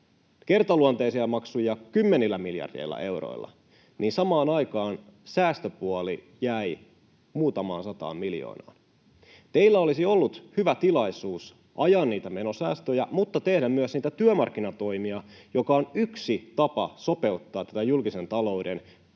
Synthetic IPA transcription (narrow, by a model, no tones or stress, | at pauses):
ke̞rt̪ɑluɑnt̪eisiɑmɑksujɑkymːenilːæmiljɑ̰rdḛilːɑ̰ʔe̞uwɾo̰ḭlːɑ̰ | niːnsɑmɑːnɑjkɑːnsæːst̪øpuɑli | jæi | muːt̪ɑmɑ̰ːnsɑt̪ɑ̰ːmmiljo̰ːnɑ̰ːn | t̪e̞ilːæo̞lisio̞lːut̪hyʋæt̪ilɑisuːs | ʔɑjɑnniːt̪æme̞no̞sæːst̪øjæmut̪ːɑt̪e̞hdæmmyøsniːt̪æt̪yømɑrkːinɑt̪o̞imiɑjokɑonyksit̪ɑpɑso̞pe̞ut̪ːɑːt̪æt̪æjulkise̞nt̪ɑlo̞uden